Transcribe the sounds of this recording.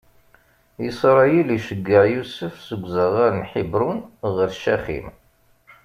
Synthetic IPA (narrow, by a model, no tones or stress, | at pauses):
jəsˤɾˤɑjiliʃəɡːəʕjusəfsəɡʷːzəʁaɾənħibɾunʁəɾʃæχḭm